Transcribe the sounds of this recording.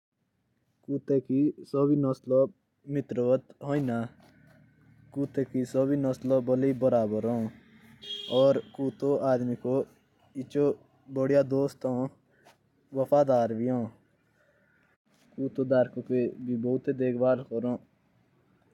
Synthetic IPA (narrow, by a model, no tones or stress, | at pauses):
kuːt̪eːkisoːbinɔsloː | mɪt̪ɾəʋət̪ɦoːinaː | kuːt̪eːkisoːbinɔslobəliːbəɾaːbəɾõː | ɔːɾkuːt̪oʔaːd̪miko | ɪt͡ʃoː | bəɽijaːd̪oːst̪õː | ʋəpʰaːd̪aːɾbijõː | kuːt̪oːd̪aːɾkopebʱiboːʊt̪eːd̪eːkʰbaːɾkoɾõː